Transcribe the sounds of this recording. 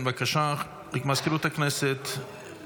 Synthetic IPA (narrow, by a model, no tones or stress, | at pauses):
nvakaʃa | ikmaskiɾut̪aknɛsɛt̪